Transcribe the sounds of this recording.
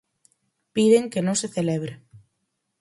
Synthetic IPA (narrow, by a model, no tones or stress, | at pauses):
piðeŋkenõŋseθeleβ̞ɾe